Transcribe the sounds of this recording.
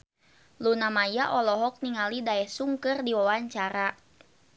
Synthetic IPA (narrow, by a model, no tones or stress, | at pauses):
lunamajaʔɔlɔɦɔk̚niŋalidaɛhsuŋkɨrdiwawaɲt͡ʃaɾa